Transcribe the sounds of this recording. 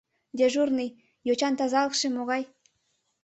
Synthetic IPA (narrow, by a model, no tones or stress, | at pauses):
d̪ʲeʒurnɨj | jot͡ɕɑnt̪ɑzɑlˠɤkʃĕmoɣɑj